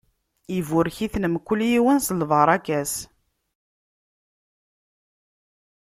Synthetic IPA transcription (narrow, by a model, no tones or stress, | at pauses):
ivʊɾçiθnəmkʷːʊljiwənsəlvəɾˤɑkæs